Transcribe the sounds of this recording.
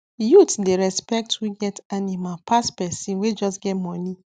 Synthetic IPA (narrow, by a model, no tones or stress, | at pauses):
jutdeɾɛspɛk̚twiɡɛtanimalpʰaspɛsĩnwed͡ʒɔsɡɛtmɔ̃ni